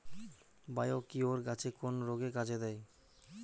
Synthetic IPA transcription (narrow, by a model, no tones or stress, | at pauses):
bajokioɾɡat͡ɕʰekonɾoɡekat͡ɕʰed̪ɛj